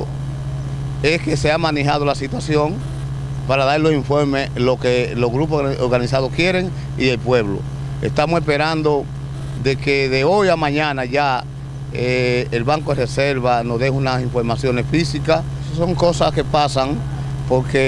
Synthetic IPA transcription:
e̞ske̞se̞amãne̞ɦað̞o̞lasit̪wasjo̞ŋ | paɾaðaɾlo̞siɱfo̞ɾmeslokelo̞ɣɾup̬ooɾɣanisaðokje̞ɾe̞ŋ | ielpwe̞βlo̰ | e̞̰st̪amose̞spe̞ɾãnd̪o̞ | ðe̞keðe̞o̞jamãɲãnaʝa | eːlβaŋkoereseɾβano̞zðe̞unasiɱfo̞ɾmasjone̞sfisikas | so̞ŋko̞saske̞pasaŋ | po̞ɾke

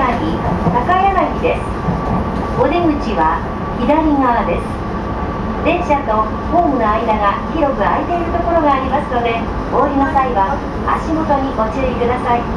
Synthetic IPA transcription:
akʲit̪akaianakʲid̪e̞sɨ̥ | o̞d̪e̞ɡɯ̟t͡ɕiβa | id̪aɾʲiŋaβad̪e̞sɨ̥ | d̪ẽ̞ɰ̃ɕat̪o̞ | ho̞ːmɯ̟no̞aid̪aɡakʲiɾo̞kɯ̟a̰et̪e̞iɾɯ̟t̪o̞ko̞ɾo̞ɡaːɾʲimasɨno̞d̪e̞ | o̞ːɾʲinosaiβa | aɕimo̞t̪o̞ɲ̟iɡo̞t͡ɕɨːɾʲikɯd̪asai

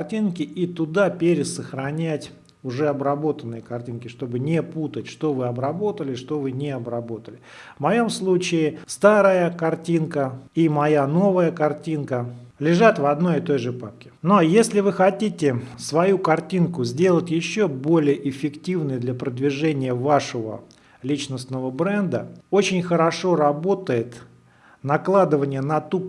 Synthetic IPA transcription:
rtʲinkʲɪʔit̪ʊd̪apʲeɾʲɪsəxɾɐnʲætʲ | ʊʐɛɐbɾɐbo̞t̪ənːɨjəkɐrtʲinkʲɪʂt̪o̞bɨnʲɪput̪ətʲʂt̪o̞vɨɐbɾɐbo̞t̪əlʲɪʂt̪o̞vɨnʲɪɐbɾɐbo̞t̪əlʲɪvmɐjo̞mslˠut͡ɕɪɪst̪aɾəjəkɐrtʲinkəimɐjano̞vəjəkɐrtʲinkəlʲɪʐat̪vɐd̪no̞jɪt̪o̞jʐɨpap̚kʲɪ̥no̞jesʲlʲɪvɨxɐtʲitʲɪsvɐjukɐrtʲinkʊzʲdʲe̞lˠətʲjɪɕːobo̞lʲɪjəʔɪfʲɪktʲivnɨjd̪lʲɐpɾəd̪vʲɪʐɛnʲɪjəvaʂəvə̰ | lʲit͡ɕnəsnəvəbɾɛnd̪əo̞t͡ɕɪnʲxəɾɐʂo̞ɾɐbo̞t̪əjɪt̪ | nɐklˠad̪ɨvənʲɪjənɐt̪up

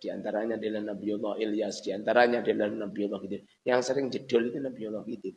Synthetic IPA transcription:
d̥iant̪aɾaɲadelahnabiolɔʔiliasd̥iant̪aɾaɲadelahnabiolɔkit̪u | jaŋsəɾɪŋd͡ʒəd̥ɔlit̪unabiolɔkit̪i

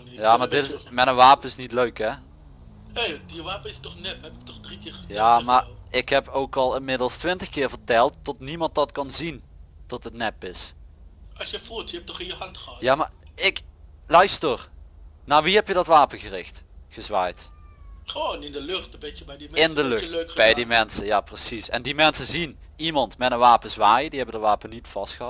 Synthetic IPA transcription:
jaːmaɹdɪtɪsmɛnənʋaːpənɪsnitløɥkɛ | hejjəʋaːpəɪstɔχnɛphɛpɪk̚tɔχdrikɪːrjaːmaɹɪkhɛpowkɑlˠɪnmɪdəlˠstʋɪntəxkɪːɹvəɹtɛlˠtːɔtnimɑnt̚dɑtkɑnzintɔtətnɛpɪs | ɑsjəfutjəɛp̚tɔχɪnjəhɑntχəɑjaːmaɪklœɥstər | naːɹʋiɦɛpjədɑtʋaːpəɣərɪxtχəzʋa̰ːjtχəʋonɪndəlɵχtbɪəbɛjdimɛɪndəlɵxtløkbɛjdimɛnsəjaːprəsisɛ̰ndimɛnsəzin | imɑntmɛtənʋaːpənzʋaːjədiɦɛbəndəʋaːpənitfɑstxəa

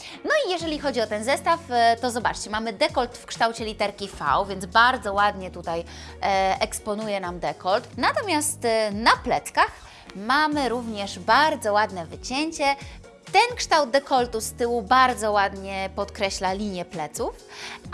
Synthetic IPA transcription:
nɔijɛʐɛlʲixɔd͡ʑiɔt̪ɛnzɛst̪aft̪ɔzɔbat͡ʂt͡ɕɛmamɘd̪ɛkɔlt̪fkʂt̪awt͡ɕɛlʲit̪ɛɾkʲifa̰wvʲjɛnd̪zbaɾd̪zɔwad̪ɲɛt̪ut̪aj | ʔɛkspɔnujɛnamd̪ɛkɔlt̪nat̪ɔmʲjast̪naplɛt̪skax | mamɘɾuvɲɛʐbaɾd̪zɔwad̪nɛvɘt͡ɕɛɲt͡ɕɛ | t̪ɛnkʂt̪awd̪̚d̪ɛkɔlt̪ust̪ɘwubaɾd̪zɔwad̪ɲɛpɔt̪kɾɛɕlalʲiɲjɛplɛt̪suf

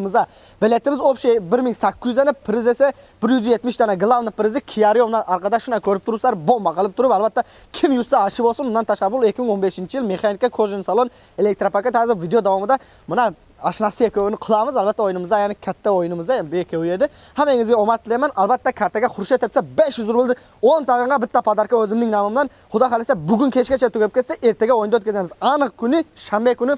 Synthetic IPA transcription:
mɨzɑ | bɪlet̪ːɪmɪzofʃebɪɾmɪŋsækʲːyzɛnɪpʰːɪɾɪzesɛb̥ɪɾjyzjet̪mɪʃt̪ʰɑnɛɡɨlˠɑvnɪpʰɪɾɪzɪkʲʰijɑɾjonɑʔɑɾqɑd̪ɑʃunɑkʲʰøɾɪp̚t̪ʰʊɾslˠɑɾbombɑqʰɑlˠɪp̚t̪ʰʊɾupælˠbɛt̪ːɛ | kʲʰɪmjusɑɑʃɪbolˠsʊnʊnːɑnt̪ʰɑʃqɑbʊlˠekʲːɪmɪŋonbeʃint͡ʃʰijilˠmeχɑnikʲɑkʰoʒɪnsɑlˠon | elek̚t̪ɾapʰakʲet̪hæzɪɾvid̪ejod̪ɑwɑmɨd̪ɛ | mɑnɑ | ɑʃnɑsɨekʲʰøwɪnɪqʰəlˠɑmɨzælˠbæt̪ːɛojnɨmɨzd̪ɑjanɪkʲʰæt̪ːæojnɨmɨzd̪ɑbekʲʰewied̪ɪ | hæmeŋɪzɡʲeomɑt̪ʰːɪlˠemænʔɑlˠbæt̪ːɛkʲʰɑɾt̪ʰaɡʲɛχʊɾʃet̪ʰɪpt̪sɛbeʃjyzʊɾbɪlˠd̪ɪ | ont̪ʰɑʁəɴʁɑbɪt̪ːɛpʰɑd̪ɑɾkɑøzɪmnɪŋnɑmɯmnɑn | χʊd̪ɑqɑlesæbyɡʲɪnkʲʰet͡ʃkʲet͡ʃʰet̪ukʲepkʲʰet̪seʔeɾt̪ʰeɡʲɛwojnd̪wøt̪kʲʰezemɪzɑnəq̚kʲʰynɪʃɑmbekʲʰynɪ

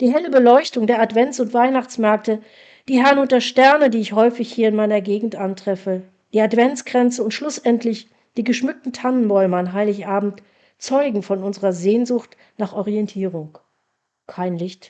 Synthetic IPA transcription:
d̥iːɦɛləbəlɔʏçtʊŋdeːɐatv̥ɛnt͡sʊntv̥aɪnaχt͡smɛɐk̚tə | d̥iːɦɛɐnʊtdːɐʃtɛɐnədiːɪçhɔʏfɪçhiːɐɪnmaɪnɐɡeːɡŋ̩tʔantʁ̥ɛfə | d̥iːatv̥ɛnt͡sɡ̥ʁɛnt͡səʊntʃlʊsʔɛntʰlɪç | d̥iːɡəʃmʏk̚tn̩tʰanənbɔʏməanɦaɪlɪçʔaːbm̩t | t͡sɔʏɡŋ̩fɔnʊnzəʁɐzeːnzʊxt | naːχʔɔʁiɛntʰiːʁ̞ʊŋ | kʰaɪnlɪçt

